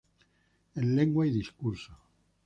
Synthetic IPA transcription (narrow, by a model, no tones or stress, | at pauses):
ẽnleŋɡwajðiskuɾso